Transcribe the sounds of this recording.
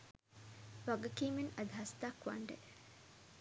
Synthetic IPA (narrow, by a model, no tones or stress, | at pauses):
ʋaɡɐkiːmenɐd̪ɦɐst̪akʋa̰ɳɖḛ